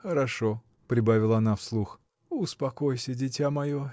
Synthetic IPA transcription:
xəɾɐʂo | pɾʲɪbavʲɪlˠəɐnafslˠux | ʊspɐkojsʲədʲɪtʲamɐjo

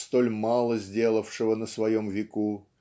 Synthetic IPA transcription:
st̪o̞lʲmalˠəzʲdʲe̞lˠəfʂɨvənəsvɐjomvʲɪku

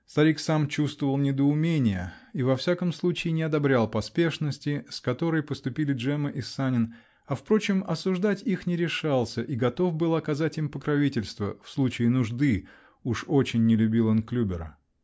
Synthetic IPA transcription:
st̪ɐɾʲiksamt͡ɕust̪vəvəlˠnʲɪd̪əʊmʲenʲɪjəivɐfsʲakəmslˠut͡ɕɪːnʲɪɐd̪ɐbɾʲalˠpɐspʲe̞ʂnəsʲtʲɪskɐt̪o̞ɾəjpəst̪ʊpʲilʲɪʐɛməʔɪsːanʲɪn | ɐfpɾo̞t͡ɕɪmɐsʊʐd̪atʲixnʲɪɾʲɪʂalˠsʲəʔiɡɐt̪o̞fbɨlˠɐkɐzatʲimpəkɾɐvʲitʲɪlʲst̪və̰fslˠut͡ɕɪːnʊʐd̪ɨ | uʂo̞t͡ɕɪnʲːɪlʲʉbʲilˠonklʲubʲɪɾə̰

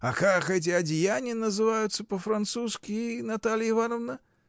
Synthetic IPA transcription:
ɐxaɣɛt͡s̬ʲɪɐd͡zʲɪjanʲinəzɨvajʊt̪sːəpɐfɾant̪suskʲinat̪alʲjivanɔvnə

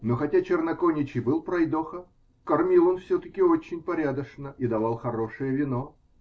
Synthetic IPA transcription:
noxɐtʲat͡ɕɪrnɐkonʲɪt͡ɕɪjbɨlˠpɾɐjd̪oxə | kɐrmʲilˠonfsʲɵt̪əkʲɪot͡ɕːɪnʲpɐɾʲad̪əʂnəʔid̪ɐvalˠxɐɾo̞ʂɨjəvʲɪno

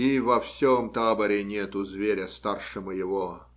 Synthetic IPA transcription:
ivɐfsʲomt̪abəɾʲɪnʲet̪ʊzvʲeɾʲəst̪arʂɨməjɪvo

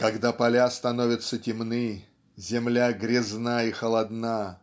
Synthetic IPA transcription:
kɐɡd̪apɐlʲast̪ɐnovʲɪt̪sətʲɪmnɨ | zʲɪmlʲaɡɾʲɪznaixəlˠɐd̪na

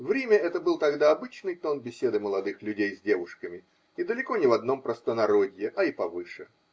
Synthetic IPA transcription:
vɾʲemʲəɛt̪əbɨlˠt̪ɐɡd̪aɐbɨt͡ɕnɨjt̪o̞nbʲɪsʲe̞d̪ɨməlˠɐd̪ɨxlʲʉdʲejzʲdʲe̞vʊʂkəmʲɪ | id̪əlʲɪko̞nʲɪvɐd̪no̞mpɾəst̪ənɐɾodʲjɪʔɐipɐvɨʂɨ

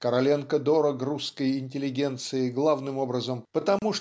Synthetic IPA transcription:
kəɾɐlʲenkəd̪oɾəkruskəjɪnʲtʲɪlʲɪɡʲent̪sɨɪɡlˠavnɨmo̞bɾəzəmpət̪ɐmuʂ

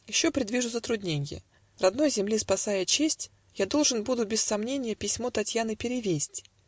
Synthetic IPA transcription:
jɪɕːo̞pɾʲɪd̪vʲiʐʊzət̪ɾʊdʲnʲenʲɪjə̰ | rɐd̪no̞jzʲɪmlʲispɐsajət͡ɕesʲtʲ | jad̪o̞lˠʐɨnbud̪ʊbʲɪsːɐmnʲenʲɪjəpʲɪsʲmo̞t̪ɐtʲjanɨpʲɪɾʲɪvʲesʲtʲ

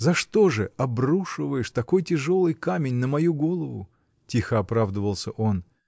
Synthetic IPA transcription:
zɐʂt̪o̞ʐɨɐbruʂɨvəjɪʂt̪ɐko̞jtʲɪʐo̞lˠɨjkamʲɪnʲnəmɐjuɡo̞lˠəvʊ̰ | tʲixəɐpɾavd̪əvəlˠsʲəʔo̞n

